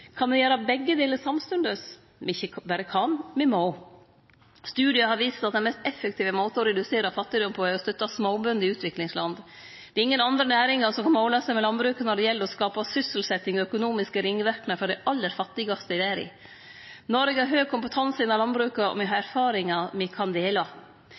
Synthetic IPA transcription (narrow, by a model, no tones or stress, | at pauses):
kʰɑnd̪ɛjæːɾɑbɛɡːəd̪eːləsɑmst̪ʉnd̪əs | mɪçːəbæːɾəkʰɑnmɛmɑʊ | st̪ʉːd̪ɪəhɑɾʋiːsə̥t̪ɑt̪d̪ɛnmɛst̪ɛfːəkt̪ʰiːʋəmoːt̪əɔɾɛd̪ʉseːɾɑfɑt̪ːɪd̪ʊmpʰɔɛɔst̪œt̪ːɑsmoːbœnd̪ɪʉːt̪ʰʋɪklɪŋslɑnd̪ | d̪̥ɛɪŋːənɑnd̪ɾənæːɾɪŋɑsɔmkʰɑnmoʊlɑsɛmɛlɑnbɾʉːkɑnɔɖɛjɛlːəɾɔskɑːpɑsʏsəlsɛt̪ːɪŋɔœkʊnuːmɪskəɾɪŋːəʋæɾknəfɾɔɖ̪ɛɪʔɑlːəɾfɑt̪ːɪɡɑst̪əɪʋæːɾɪ̰ | nɔɾɡəɑɾɦøːɡ̚kʰʊmpət̪ʰɑnsəɪnːɑlɑnbɾʉːkɑɔ̰mɛɦɑɾæɾfɑːɾɪŋɑmɪkʰɑnd̪eːlɑ